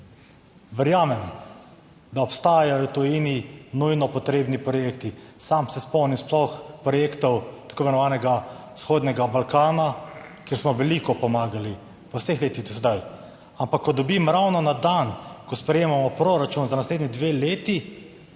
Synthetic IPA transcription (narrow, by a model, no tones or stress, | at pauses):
ʋɛɾjaːmɛm | d̪aɔpst̪aːjajɔt̪ɔjiːninujnɔpɔt̪ɾeːbnipɾɔjeːkt̪isamsɛspɔwnimsplɔxpɾɔjeːkt̪ɔwt̪akoːemɛnɔʋaːnɛɡa | sxoːd̪nʲɛɡabalkaːnakeːɾsmɔʋɛlikɔpɔmaːɡali | ʋəwsexleːt̪ixt̪usɛd̪aj | ampakːɔd̪ɔbimɾawnɔnad̪ankɔspɾɛjeːmamɔpɾoɾat͡ʃunzanasleːd̪nʲid̪ʋeleːt̪i